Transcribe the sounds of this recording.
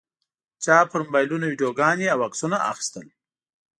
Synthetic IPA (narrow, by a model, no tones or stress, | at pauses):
t͡ʃɑːpəɾmʊbɑjlunawiɖijoɡɑneawaksunaʔa̰xi̥st̪əl